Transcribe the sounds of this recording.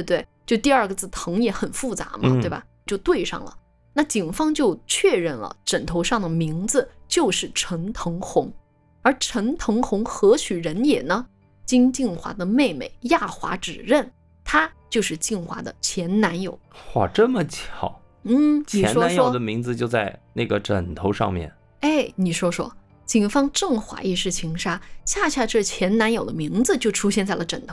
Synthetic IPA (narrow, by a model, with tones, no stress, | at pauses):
e˥˧t̪we˥˩ɪt͡ɕjo˥˧ʊt̪i˥˧ɐ˞˥˧˩ɡə˨˩t͡sɹ̩˥˩t̪ʰɤ˧˥ŋjɛ˧˥xə˨˩nfu˥˩t͡sa̰˧˥mɐ˧t̪e˥˩ɪbɐ̰˩ | t͡ɕjo˥˧ʊt̪we˥˧ɪʂɑ̰˥˩ŋlə̰˩ | na˥˩t͡ɕi˨˩ŋfɑ˥ŋt͡ɕjo˥˧ʊt͡ɕʰɥɛ˥˧ɻə˥˩nlə̰˩ʈ͡ʂə˨˩nt̪ʰo˧˥ʊʂɑ˥˩ŋd̪ə˩mi˧˥ŋd͡zɹ̩˧t͡ɕjo˥˧ʊʂɻ̩˥˩ʈ͡ʂʰə˧˥ŋt̪ʰɤ˧˥ŋxʊ˧˥ŋ | ə˞˧˥ʈ͡ʂʰə˧˥ŋt̪ʰɤ˧˥ŋxʊ˧˥ŋxɤ˧˥t͡ɕʰy˨˩ɻə˧˥njɛ˨˩nə˦ | t͡ɕi˥nt͡ɕi˥˩nxwa̰˧˥d̪ə˧me˥˩ɪme˨˩ɪja˥˩xwa̰˧˥ʈ͡ʂɻ̩˨˩ɻə˥˩n | t̪ʰa˥t͡ɕjo˥˧ʊʂɻ̩˥˧t͡ɕi˥˩nxwa̰˧˥d̪ə̰˧t͡ɕʰjɛ˧˥nna˧˥njo˨˩˦ʊxwa̰˥˩ʈ͡ʂə˥˩mə˩t͡ɕʰjɑ˨˩˦ʊ | n̩˥˩t͡ɕʰni˨ɛ˧˥nʂwɔ˥nʂjwɔ˨ʊ˥d̪ə˦mi˧˥ŋd͡zɹ̩˧t͡ɕjo˥˧ʊt͡sa˥˧ɪna˥˩ɡə˩ʈ͡ʂə˨˩nt̪ʰo˧˥ʊʂɑ̰˥˧ŋmjɛ̰˥˩n | e˥˩ɪni˨˩ʂwɔ˥ʂwɔ̰˥ | t͡ɕi˨˩ŋfɑ˥ŋʈ͡ʂɤ˥˩ŋxwa̰˧˥i˥˧ʂɻ̩˥˩t͡ɕʰi˧˥ŋʂa˥ɕja˥˧ɕʰa˥˧ʈ͡ʂɤ˥˩t͡ɕʰjɛ˧˥nna˧˥njo˨˩ʊd̪ə̰˦mi˧˥ŋd͡zɹ̩˧t͡ɕjo˥˩ʊʈ͡ʂʰu˥ɕ̬jɛ˥˧nt͡sa˥˩ɪlə˩ʈ͡ʂə˨˩nt̪ʰ